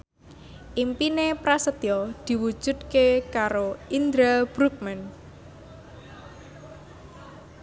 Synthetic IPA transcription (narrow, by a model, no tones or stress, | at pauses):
ʔimpinepɾasət̪jɔd̪̥i̤wu̥ʒ̥ṳd̪̚kekaɾoʔind̪ɾab̥ɾuk̚mɛn